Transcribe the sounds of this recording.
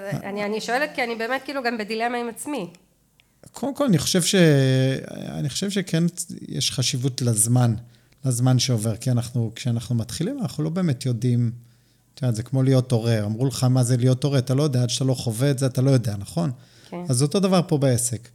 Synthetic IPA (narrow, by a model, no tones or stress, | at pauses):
anianiʃoelet̪̚kianibe̞ːmet̚kiːluɡambedilemaimat͡smi | kʰodemko̞laniχo̞̥ʃe̞vʃe̞ | a̰niχoʃe̞vʃekʰenjḛʃχaʃivutlazman | lazmanʃeo̞ve̞ʁkianaχnukʃeanaχnumat̪χilimanaχnulo̞be̞ːme̞tjo̞dim | t̪oaːtze̞kmo̞lijo̞to̞ʁe̞amʁuleχamazelijo̞to̞ʁeatalo̞jodeaad̪ʃḁt̪alo̞χoveːtzeatalo̞jo̞deanaχo̞n | azot̪o̞davaʁpo̞beese̞k